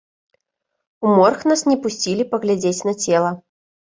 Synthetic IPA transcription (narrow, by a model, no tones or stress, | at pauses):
umɔrxnasnʲɛpusʲt͡sʲilʲipɐɣlʲad͡zʲet͡sʲnɐt͡sʲɛlˠɐ